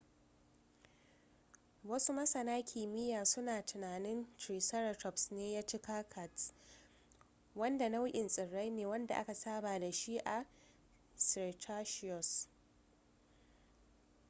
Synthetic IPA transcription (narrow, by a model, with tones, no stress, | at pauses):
wɐ˦su˦mɐ˦sɐ˨naː˦kʲʰiː˨mɪ˦jaː˨sʊ˦naː˨tɪ˨naː˨nɪ˦ntɾiː˨sɐ˦ɾa˨tɔ˦psneː˦jaː˦t͡ʃi˦kaː˦kʰa˨t | wɐ˦nda˨na˦wʊ˦ʔɪ˨nsʼɪ˨ɽːa˦jneː˨wɐ˦nda̰˨ʔa̰˦ka˨saː˦baː˨da˨ʃi˦ʔa˨ | stʰaː˦ʃɪ˦ɔ˨s